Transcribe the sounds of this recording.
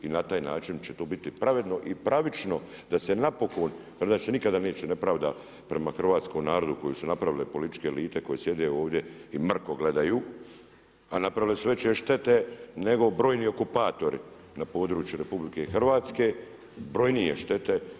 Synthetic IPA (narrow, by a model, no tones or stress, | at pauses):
inat̪aːjnaːt͡ʃint͡ɕet̪oːbit̪ipɾaʋe̞d̪no̞ʔipɾaʋit͡ʃno̞ | d̪ase̞napo̞ko̞nped̪at͡ʃsenikad̪ane̞ːt͡ʃene̞pɾaːʋd̪a | pɾe̞maxr̩ʋaːt̪sko̞mnaːɾo̞d̪uko̞jusunapɾaʋilepo̞lit̪i̥t͡ʃkeːliːt̪e̞ko̞jesje̞d̪eo̞ːʋd̪jeimr̩ko̞ɡle̞d̪ajuː | anapɾaʋilesuʋe̞t͡ɕeʃt̪e̞t̪ene̞ɡo̞bɾo̞ːjnio̞kupaːt̪o̞ɾʔḭ | napo̞ːd̪ɾuːt͡ʃjuɾepublike̞xr̩ʋaːt̪ske̞ | bɾo̞jnieʃt̪e̞t̪e̞